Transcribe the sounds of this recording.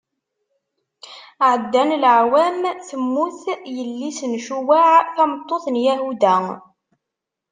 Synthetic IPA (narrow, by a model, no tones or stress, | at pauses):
ʕəd̪ːænlʕwæmθəmːuθjəlːisənʃuwaʕθæmt̪ˤːoθənjæɦud̪æ